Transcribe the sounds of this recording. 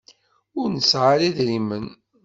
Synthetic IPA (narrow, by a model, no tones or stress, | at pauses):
ʊɾnəsʕaliðɾimən